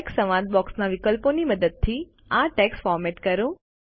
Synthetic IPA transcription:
ksəʋãd̪̚bɔksnaʋikəlponiməd̪əd̪̚t̪ʰi | aʈɛksfɔɾmeʈkəɾũ

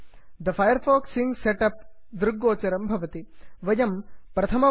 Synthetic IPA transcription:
d̪ɐfʰɐjɐɾfʰoːksiŋseʈɐp̚d̪ɾuɡːoːt͡ʃɐɾɐmbʱɐʋɐt̪iʋɐjɐmpɾɐt̪ʰɐmɐ

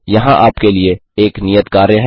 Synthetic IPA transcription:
jɐɦãʔaːpkelieeːknijət̪kaːɾeɦɛ

